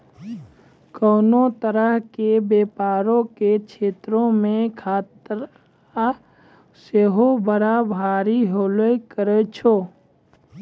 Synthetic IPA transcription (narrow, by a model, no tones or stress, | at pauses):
koːnot̪əɾəɦkebeːpaːɾõket͡ʃʰeːt̪ɾõmẽkʰaːt̪ɾ | a | seɦobəɾabʱaːɾiɦoːlekəɾet͡ʃʰoː